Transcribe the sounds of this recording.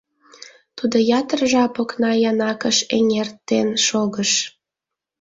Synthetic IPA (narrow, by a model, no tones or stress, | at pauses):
t̪ud̪ojɑt̪ərʒɑpoknɑjɑnɑkəʃeŋʲert̪ːenʃoɣəʃ